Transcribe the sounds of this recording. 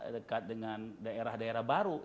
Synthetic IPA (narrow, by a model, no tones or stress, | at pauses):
dəkat̪̚dəŋandaeɾahdaeɾahbaɾu